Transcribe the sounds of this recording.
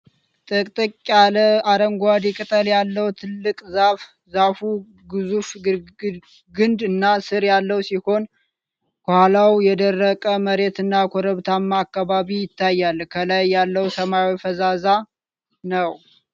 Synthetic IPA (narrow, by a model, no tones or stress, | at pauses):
t̪ʼɨkʼt̪ʼɨkʼaləaɾəŋɡʷad̪ikʼɨt̪ʼəljalːəwt̪ʰɨlːɨkʼzaf | zafu | ɡɨzuf | ɡɨnd̪ɨnːasɨɾjalːəwsiho̞n | kʰohalawjɛd̪ərːəkʼəməɾe̞t̪ɨnːakʰoɾəβt̪ʰamːaːkːaβaβijɪt̪ʰːajːalkʰəlajːalːəwsəmawifəzaza | nəw